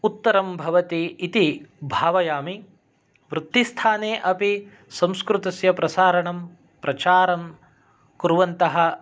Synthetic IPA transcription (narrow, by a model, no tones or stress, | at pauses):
ut̪ːɐɾɐmbʱɐʋɐt̪iːt̪ibʱaːʋɐjaːmi | ʋɾut̪ːist̪ʰaːneːʔɐpi | sɐ̃mskɾut̪ɐsjɐpɾɐsaːɾɐɳɐm | pɾɐt͡ʃaːɾɐm | kuɾʋɐnt̪ɐɦɐ